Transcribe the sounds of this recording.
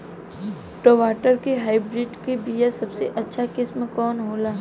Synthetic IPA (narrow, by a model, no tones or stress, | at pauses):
ʈoːʋaːʈəɾkeɦaːibɾɪɖkebijasɐbseʔɐtːʃʰakɪsmkɔːnɦoːlaː